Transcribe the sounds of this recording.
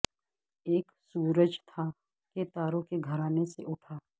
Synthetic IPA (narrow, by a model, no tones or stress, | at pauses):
eːksuːɾəd͡ʒt̪ʰa | ket̪aːɾõkeɡʱəɾaːneseʔʊʈʰaː